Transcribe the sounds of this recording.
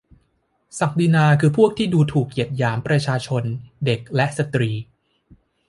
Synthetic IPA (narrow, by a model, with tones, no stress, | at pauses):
sa˨˩k̚diː˧naː˧kʰɯː˧pʰu˥˩ək̚t̪ʰiː˥˩duː˧t̪ʰuː˨˩k̚ji˨˩ət̪̚jaː˩˦mpɾa˧t͡ɕʰaː˧t͡ɕʰo˧nde˨˩k̚lɛ˦˥ʔsa˧t̪ɾiː˧